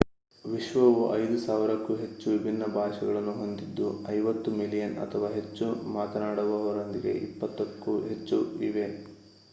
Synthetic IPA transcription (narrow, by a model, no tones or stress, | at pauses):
ʋiʃʋɐʋuʔɐjd̪usaːʋiɾɐkːuɦe̞t͡ʃːuʋibʱinːɐbʱaːʃɐɡɐɭɐnːuɦo̞nd̪id̪ːuɐjʋɐt̪ːumilijɐnɐ̰t̪ʰɐʋaːɦe̞t͡ʃːumaːt̪ɐnaːɽɐʋuɐʋɐɾond̪iɡe̞̰ʔḭpːɐt̪ːɐkːuɦe̞t͡ʃːuiʋe̞